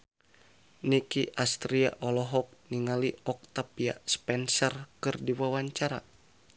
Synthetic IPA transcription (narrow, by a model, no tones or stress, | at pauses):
nikiʔast̪ɾia̰ʔɔlɔɦɔk̚niŋaliɔk̚t̪apia̰spɛnsɔrkɨrdiwawaɲt͡ʃaɾa̰